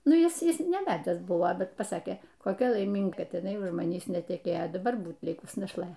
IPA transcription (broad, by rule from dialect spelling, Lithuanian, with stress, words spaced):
ˈnʊ ˈɪs ˈɪs nʲɛˈʋʲæːdʲæːs ˈbʊʋoː ˈbʲɛt pɐˈsɑːkʲeː koːˈkʲɛ lˠɐɪˈmʲɪŋɡɐ ˈkɐt ɪˈnɐɪ ʊʃ mɐˈnʲiːs nʲɛtʲɛˈkʲeːjoː dɐˈbɐr ˈbuːt ˈlʲɪkʊs nɐʃˈlˠɘ lʲɪkʊsʲɪ nɐʃlˠɐɪtʲeː